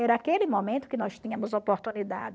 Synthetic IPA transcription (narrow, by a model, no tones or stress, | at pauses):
ɛɾɐakelɪmomẽnt̪ʊ̥kɪnɔst̪ĩɲɐ̃mʊzopoɾt̪unid̪a̰d